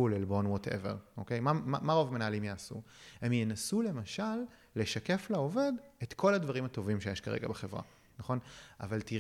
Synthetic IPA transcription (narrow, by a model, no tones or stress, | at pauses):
ulelbo̞nwotʰḛve̞̰ʁʔo̞kejmamamaʁovmenaːlimjaːsṵhe̞mjenasule̞maʃalː | e̞ʃake̞flao̞ve̞detkʰo̞lad̪vaʁimato̞vimʃejeʃkaʁeɡabeχe̞vʁa̰ | naχo̞na̰valti